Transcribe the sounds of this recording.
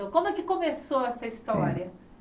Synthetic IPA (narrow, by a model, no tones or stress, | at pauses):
okõmʊɛkɪkõmesoɛsɐist̪ɔɾiɐ